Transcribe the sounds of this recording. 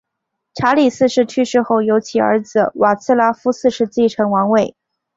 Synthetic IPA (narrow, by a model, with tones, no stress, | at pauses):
ʈ͡ʂʰa˧˥li˨˩sɹ̩˥˧ʂɻ̩˥˩˧t͡ɕʰy˥˧ʂɻ̩˥˧xo˥˩ʊjo˧˥ʊt͡ɕʰi˨˩ə̰˞˧˥d͡z̩˩wa˨˩t͡sʰɹ̩˥˧la˥fu˥sɹ̩˥˧ʂɻ̩˥˧t͡ɕi˥˩ʈ͡ʂʰɤ˧˥ŋwɑ˧˥ŋwe˥˩ɪ